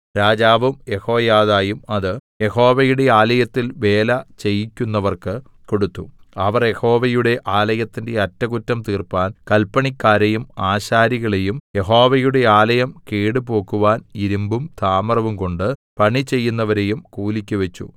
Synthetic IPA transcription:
ɾaːd͡ʑaːʋɐmjeho̞ːjaːðaːjumɐðɨje̞ho̞ːʋɐjuɽe̞aːlɐjɐt̪ːilʋe̞ːlɐt͡ɕe̞jikʲːunːɐʋɐrkɨ | ko̞ɽut̪ːuɐʋɐrje̞ho̞ːʋɐjuɽe̞ʔaːlɐjɐt̪ːinde̞ɐtːɐɣutːɐmt̪iːrpaːnkɐlpːɐɳikʲːaːɾejumaːɕaːɾiɣɐɭe̞jumje̞ɦo̞ːʋɐjuɽe̞aːlɐjɐmkeːɽɨpo̞ːkːuʋaːniɾumbumt̪ʰaːmɐrɐʋumko̞ɳɖɨpɐɳit͡ɕe̞jːunːɐʋɐɾe̞jumkuːlikʲːuʋet͡ɕːṵ

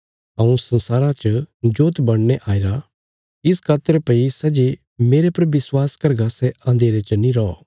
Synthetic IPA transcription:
ɐ̃ũsɐ̃nsaːɾat͡ʃəd͡ʒoːt̪bɐɽ̃neʔaːɪɾa | ɪskʰaːt̪əɾpɐisɛd͡ʒe | meːɾepɐɾʋɪswaːskɐɾɡasɛãːnd̪ʱeːɾet͡ʃəniɾɔɔ̰ː

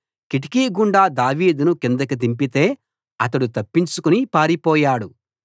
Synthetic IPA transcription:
kiʈ̬i̥kiːɡuɳɖaːd̪aːʋiːd̪unukind̪ɐkɐt̪̬impit̪e̞ː | ɐt̪̬ɐɽut̪ɐpːint͡ʃukunipaːɾipɔːjaːɽu

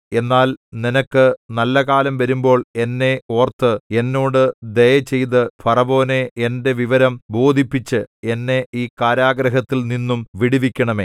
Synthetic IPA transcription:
e̞nːaːlninɐkːɨnɐlːɐkaːlɐmʋɐɾumbo̞ːɭe̞nːe̞o̞ːrt̪ːɨe̞nːo̞ːɽɨd̪ejɐt͡ɕe̞jt̪ɨpʰɐrɐbo̞ːne̞ende̞ʋiʋɐɾɐmbo̞ːd̪ʱipːit͡ɕːɨe̞nːe̞iːkaːɾaːɡɾɐɦɐt̪ːilninːumʋiɽiʋikʲːɐɳɐme̞ː

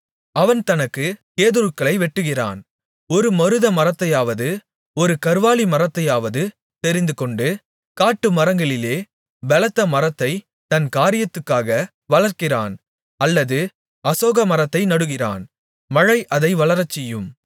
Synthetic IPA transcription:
ɐʋɐnt̪ɐnɐkːɯkeːðɯɾɯkːɐɭɐɪʋɛʈːɯɣɪra̰ːn | ɔɾɯmɐɾɯðɐmɐrɐt̪ːɐjaːʋɐðɯ | ɔɾɯkɐɾʋaːlimɐrɐt̪ːɐjaːʋɐðɯ | t̪ɛɾɪnd̪ɯkɔɳɖɯ | kaːʈːɯmɐɾɐŋɡɐɭɪleː | ʋɛlɐt̪ːɐmɐrɐt̪ːɐɪ | t̪ɐnkaːɾɪjɐt̪ːɯkːaːɣɐ | ʋɐlɐɾkɪra̰ːn | ɐlːɐðɯ | ɐsoːɣɐmɐɾɐt̪ːɐɪnɐɽɯɣɪra̰ːn | mɐɻɐɪʔɐðɐɪʋɐɭɐɾɐt͡ʃːɛjɯm

